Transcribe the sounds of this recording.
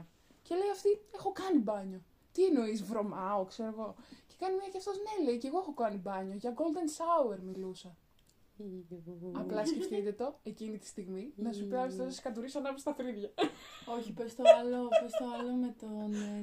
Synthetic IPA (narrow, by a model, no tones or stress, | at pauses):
ce̞le̞jɐft̪iexo̞kɐnibɐɲo̞ | t̪ieno̞izvɾo̞mɐokseɾoɣo̞ce̞̥kɐnimiɐceɐft̪o̞zne̞le̞jceɣoexo̞kɐnibɐɲo̞ʝɐɡo̞ld̪e̞nsɐue̞ɾmilusɐ | ɐplɐsce̞ft̪it̪e̞t̪o̞e̞cinit̪i̥st̪iɣminɐsupiɐpist̪ɐsskɐt̪uɾisɐnɐpist̪ɐθɾiðʝɐoçipest̪oɐlopest̪oɐlomet̪on